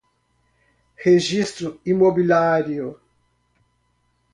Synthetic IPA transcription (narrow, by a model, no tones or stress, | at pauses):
heʒist̪ɾʊimobilaɾjo